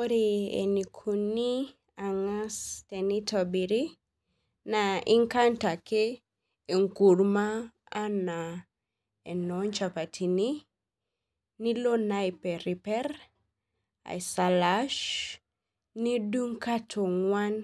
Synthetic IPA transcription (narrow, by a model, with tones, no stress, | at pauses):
o˦ɾeḛ˨ni˨kʰu˨ni˦ | a˨ŋa˦ste˨ni˦to˨bi˨ɾi˦ | nai˦ŋka˦nta˨ke | e˨ŋku˨ɾmaː˦ | na˨ | e˨nɔɲt͡ʃa˨pa˨tʰi˨ni | ni˦lo˦na˦jpɛ˨ɾi˨pɛ˦r | a̰˨isalaʃ | ni˦du˦ŋka˦tʰo˨ŋwa˦n